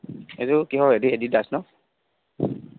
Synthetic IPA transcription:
ezukiɦɔediedidasnɔ

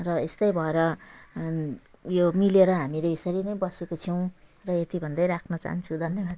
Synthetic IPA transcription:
rʌest̪ʌjbʱʌeɾʌ | jomileɾʌɦamileesʌɾinʌjbʌsekot͡sʰʌw̃ | rʌet̪ibʱʌnd̪ʌjɾakʰnʌt͡sa̰ɦnt͡sʰud̪ʱʌnjebad̪

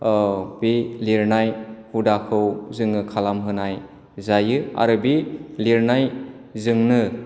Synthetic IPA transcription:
beliɾnajhudakʰɯwzɯŋɯkʰalamɦɯnaj | zajɯa̰ɾɯbiliɾnaj | zɯŋnɯ

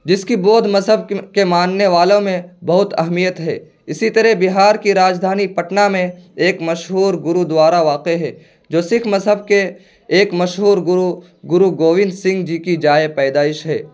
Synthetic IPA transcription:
d͡ʒɪskiboːd̪ʱmɐzɦəb̚kemaːnːeʋaːlõmẽbɐɦʊt̪ɐɦmijət̪ɦɛ̰ː | ɪsit̪ɐɾɛbɪɦaːɾkiɾaːd͡ʒd̪ʱaːnipɐʈnamẽeːkmɐʃɦuːɾɡʊɾud̪waːɾaʋaːqeɦɛː | d͡ʒoːsɪkʰmɐzɦəb̚keː | kmɐʃɦuːɾɡʊɾu | ɡʊɾuɡoːʋɪ̃nd̪sɪ̃ŋɡd͡ʒikid͡ʒaːepɛːd̪aːɪʃɦɛ̰ː

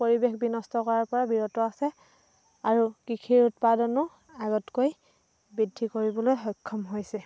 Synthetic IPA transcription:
poɹibexbinɔstɔkɔɹaɹpɔɹabiɹɔtɔasɛ | aɹukikʰiɹutpadɔnʊ | aɡɔtkoj | bɹidʱːikoɹibɔlojɦɔjkʰːɔmɦojsɛ

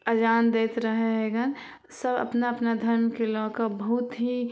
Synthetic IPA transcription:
əd͡ʒaːnd̪eːt̪ɾəɦeɦeɡən | səbə̰pnaɐpnad̪ʱɐɾmjkelɔːkəbəɦut̪ɦi

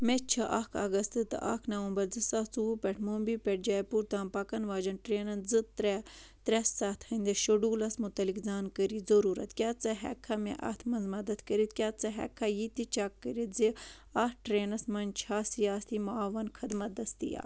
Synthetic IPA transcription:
met͡ʃʰɐʔɐkʰɐ̰ɡɐst̪ɨt̪ɨ̰ʔɐ̰kʰnɐʋɐmbɐɾd͡zɨsɐt͡suupʲɛʈʰmombipʲɛʈ̚d͡ʒaːjpuɾt̪ãːmpɐkɐnʋaːd͡ʒɐnʈɾeːnɐnzɨt̪ɾɛt̪ɾɛsat̪ʰhɐnd̪ɐʃoɖuːlɐsmut̪ɐlikzaːnkəɾizɐɾuːɾɐt̪kʲjaːt͡sɐɦɛ̰kʰːɐmḛʔɐ̰t̪ʰmɐnzmɐd̪ɐd̪kəɾit̪kʲaːt͡sɐɦɛ̰kʰːɐjit̪it͡ʃaːkːəɾit̪zi | ɐʈɾeːnɐsmɐnt͡ʃʰaːsiaːst̪imɐaːʋɐnkʰɐd̪mɐt̪̚d̪ɐst̪ḭja̰ː

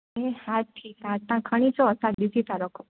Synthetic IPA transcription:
ehat̪ʰːisãt̪ãkʰəɽ̃it͡ʃʰɔsad̪isit̪ãɾɔkʰo

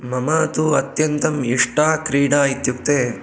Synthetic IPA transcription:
mɐmaːt̪uɐt̪jɐnt̪ɐmiʂʈaːkɾiːɽaːit̪juk̚t̪eː

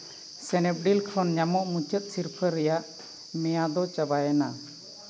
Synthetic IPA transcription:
sɛnɛp̚ɖilkʰɾɔnɲamɔʔmut͡ʃət̪̚siɾpʰəɾːɛjaʔ | mɛjad̪ɔt͡ʃabajɛna

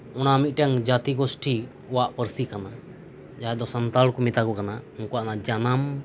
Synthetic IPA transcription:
ɔnaəmit̪̚ˀʈɛŋd͡ʒat̪iɡɔsʈʰi | ɔwaʔpəɾsikana | d͡ʒaɦɛd̪ɔsant̪alkɔmit̪akɔkanauŋkɔwaʔnad͡ʒanam

